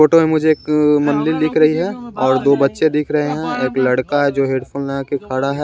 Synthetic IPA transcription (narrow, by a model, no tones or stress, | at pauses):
oːʈomẽmʊd͡ʒʱeeːkmɐnlilɪkʰɾɐɦiɦɛ̃ɔːɾd̪oːbɐtːʃed̪ɪkʰɾɐɦeɦɛ̃eːklɐɽkaɦɛd͡ʒoːɦeːɖpʰuːlnãkikʰaɽaɦɛː